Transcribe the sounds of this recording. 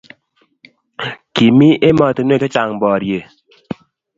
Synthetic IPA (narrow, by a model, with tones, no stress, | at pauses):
ki˨mi˦ʔe˦mɔ˨tn˦e˦˨ke˦t͡ʃa˨ŋbɔ˨ɾje˨